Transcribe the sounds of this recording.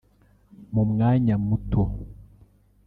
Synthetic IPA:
momŋaɲamːuto

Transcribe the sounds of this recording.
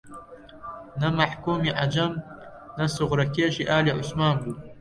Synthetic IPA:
nɐmaħkʰumiʕad͡ʒɐm | nɐsʊʁɾɐkʲʰeʃiʔaːliʕʊsmaːnbu

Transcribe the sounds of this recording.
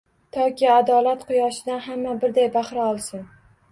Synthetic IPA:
t̪ʰɒkʲɪad̪ɒlat̪qʊjɒʃɪd̪anɦamːabɪɾd̪ajbaχɾaɒlˠsɪn

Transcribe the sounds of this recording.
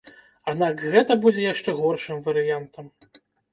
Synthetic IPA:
ad̪nakɣɛt̪ɐbud͡zʲɛjaʂt͡ʂɛɣɔrʂɨmvɐɾɨjant̪ɐm

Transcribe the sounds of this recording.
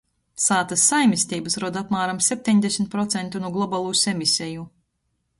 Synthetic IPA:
saːt̪ɐsːajmʲisʲt̪iːbɐsɾuɔd̪apmaːɾamsʲep̚ʲt̪ʲeɲd̪esʲmʲt̪̚pɾɔt̪sɛnt̪unuɔɡlˠɔbalˠuːsemisʲeju

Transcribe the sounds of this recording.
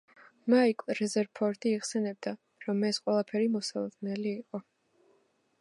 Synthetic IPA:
maikʰʼɾɛzɛɾpʰɔɾt̪ʼiːχsɛnɛb̚d̪a | ɾɔmːɛsqʼwɛlˠapʰɛɾimɔsalˠɔd̪nɛliːqʼɔ

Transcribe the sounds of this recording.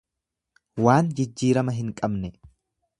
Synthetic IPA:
waːnd͡ʒɪd͡ʒːiːɾɐmɐɦɪŋkʼɐbnɛ

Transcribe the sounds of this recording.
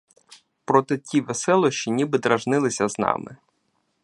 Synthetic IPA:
pɾɔt̪ɪtʲiʋesɛlˠɔʃt͡ʃinʲibɪd̪ɾɐʒnɪlˠɪsʲɐznɑ̰mɪ̰

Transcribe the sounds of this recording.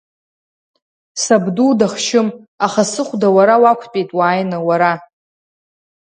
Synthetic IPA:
sabdudaχʃɪm | aχasɨχʷdawaɾawakʷʰpʼejtʼwaːjnɨwaɾa

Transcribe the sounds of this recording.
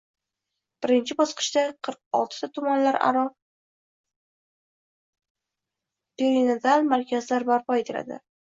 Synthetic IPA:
b̥ɪɾɪnt͡ʃʰɪbɒsqɨ̥ʃd̪aqʰɨɾq̚ɒ̰lˠt̪ʰɪ̥t̪ʰat̪ʰʊmanlaɾa̰ɾɒ | peɾiment̪ʰalmaɾkʲʰazlaɾbaɾpʰɒet̪ʰela̰d̪ɪ̰

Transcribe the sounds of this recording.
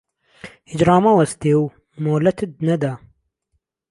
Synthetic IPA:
hid͡ʒɾɑːmɐwɐst̪eːw | moːlɐt̪ʰɨd̪̚nɛd̪a

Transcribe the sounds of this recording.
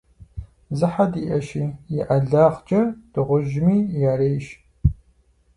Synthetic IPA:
zɨħadiːʔɐʃiːjɪʔɐɮaːʁt͡ʃʼɐd̥ɨʁʷʊʒmiːjaːɾeːjʃ

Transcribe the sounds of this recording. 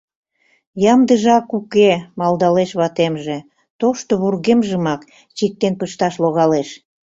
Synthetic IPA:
jɑmd̪əʒɑkukemɑld̪ɑleʃβɑt̪emʒĕ | t̪oʃt̪oβurɣemʒəmɑk | t͡ɕik̚t̪enpəʃt̪ɑʃloɣɑleʃ

